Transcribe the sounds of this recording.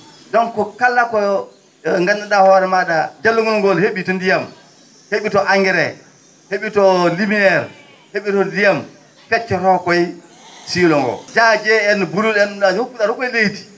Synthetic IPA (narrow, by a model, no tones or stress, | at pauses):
dɔnkɔkalːakɔ | ŋɡanːaɗahɔɾɛmaɗad͡ʒalːuɡunuŋɡɔlheɓitɔndijam | heɓitɔʔaŋɡɛɾɛ | heɓitɔliminɛɾ | heɓitɔndijam | fɛt͡ʃːɛtɔkɔj | silɔŋɡɔ̰d͡ʒad͡ʒɛɛnbuɾulɛnahukːutaɾɔkɔjlejti̥